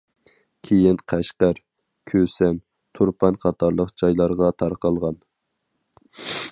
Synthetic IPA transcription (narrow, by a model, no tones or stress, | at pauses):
kʲʰejinqʰæʃqæɾ | kʲʰøsɛn | t̪ʰuɾpʰɑnqʰɑt̪ʰɑɾlˠəqd͡ʒɑjlˠɑɾʁɑt̪ʰɑɾqɑlˠʁɑn